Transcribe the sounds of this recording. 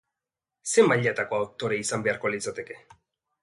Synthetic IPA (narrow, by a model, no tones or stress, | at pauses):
se̞maʎat̪ako̞awk̚t̪o̞ɾeisambe̞aɾko̞lit͡sat̪e̞ke̞̥